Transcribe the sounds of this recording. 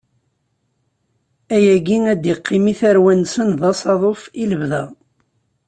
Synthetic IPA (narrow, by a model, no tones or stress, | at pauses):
æjæɡiæd̪jiqʰːimiθæɾwænsənðɑsˤɑðˤofiləvðæ